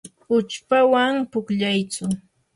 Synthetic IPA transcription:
ʊt͡ʃpawaŋpʊkʎajt͡sʊ

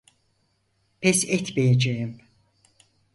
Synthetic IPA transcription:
pʰɛsɛt̪mejed͡ʒejim

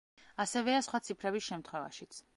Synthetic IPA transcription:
asɛvɛasχwat̪sʰipʰɾɛbisʃɛmt̪ʰχwɛva̰ʃit̪sʰ

